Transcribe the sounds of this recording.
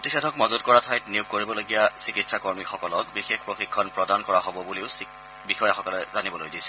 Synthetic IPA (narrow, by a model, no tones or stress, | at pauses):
pɹotisedʱɔkmɔzɔtkɔɹatʰajtniuk̚koɹibɔloɡijasikitsakoɹmixɔkɔlɔkbixexpɹoxikʰːɔnpɹɔdankɔɹaɦobɔbuliʊs | bixɔjaxɔkɔlɛzanibɔlojdisɛ̥